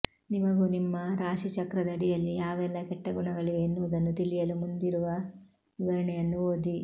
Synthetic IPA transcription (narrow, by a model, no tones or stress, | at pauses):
nimɐɡunimːɐɾaːʂit͡ʃɐkɾɐd̪ɐːɽijɐlːijaːʋɛlːɐkɛʈːɐɡuɳɐɡɐɭiʋeːnːuʋd̪ɐnːut̪iɭijɐlumund̪iɾuʋɐ | ʋiʋɐɾɐɳɛjɐnːuʋoːd̪i